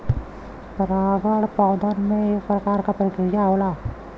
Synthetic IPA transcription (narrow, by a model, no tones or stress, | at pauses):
pɾaːɡəɽpaːd̪əɾmẽepɾəkaːɾkapɾəked͡ʒaːolaː